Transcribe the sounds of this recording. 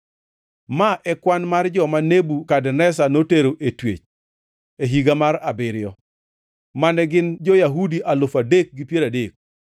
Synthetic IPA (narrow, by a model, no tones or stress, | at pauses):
maʔɛkwanmard͡ʒɔmanebukadnɛs̬anoteɾoʔetwḛt͡ʃ | eɦiɡamaɾabɪɾɪjɔ | manɛɡɪnd͡ʒɔjaɦudiʔalofadek̚ɡipjeɾadek̚